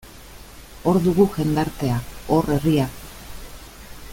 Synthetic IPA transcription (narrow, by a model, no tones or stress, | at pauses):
o̞ɾðuɣuʝe̞nd̪aɾt̪e̞ao̞rʔe̞ria